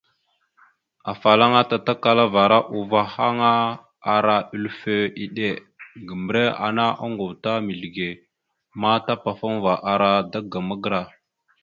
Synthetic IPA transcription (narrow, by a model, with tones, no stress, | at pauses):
a˨fa˨la˦ŋa˦ta˨ta˦ka˨la˦va˨ɾa˦ʔu˨va˦ha˦ŋa˦ | a˨ɾa˦i˦lfe˦i˨ɗe˦˨ | ɡə˨m˨ɾe˦a̰˨na˦ʔa˦ŋɡu˨vta˦mi˨ɬɡe˨ | ma˦ta˦pa˨fa˦ŋva˨ʔa˨ɾa˦da˦ɡa˨mə˦ɡɾa˨